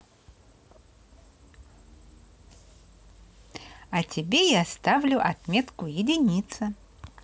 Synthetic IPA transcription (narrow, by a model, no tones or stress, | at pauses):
ɐtʲɪbʲejast̪avlʲʊʔɐt̪mʲet̪kʊjɪdʲɪnʲit̪sə